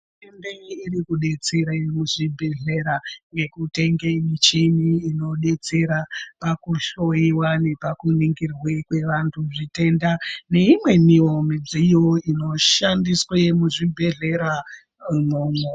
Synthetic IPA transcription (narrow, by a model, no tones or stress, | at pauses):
tendeirikuɗe̞t͡se̞ɾamuʐibʱe̞ɮe̞ɾaŋɡe̞kute̞ŋɡemit͡ʃiniːno̞ɗe̞t͡se̞ɾapakuʃo̞jiwane̞pakuniŋɡirwekwe̞ʋantʰuʐite̞ndane̞imwe̞nio̞mid͡zijoino̞ʃandiswemuʐibʱe̞ɮe̞ɾa | moːmo